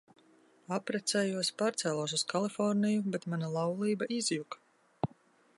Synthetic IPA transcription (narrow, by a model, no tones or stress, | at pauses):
apɾɛt̪sɛjuɔspaːɾt̪sɛːlˠaws̬uskalˠifɔɾnijubɛt̪manalˠawlˠiːbaʔizjuk